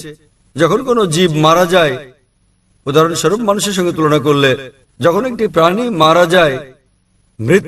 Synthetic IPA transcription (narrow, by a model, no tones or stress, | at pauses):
d͡ʑɔkʰonkonod͡ʑibmaɾad͡ʑae | ud̪ʱaɾonʃɔɾob̚manuʃ̬eɾʃ̬ɔŋɡet̪ulonak̬oɾle | d͡ʑɔkʰonek̚ʈipɾanimaɾad͡ʑae | mɾit̪ː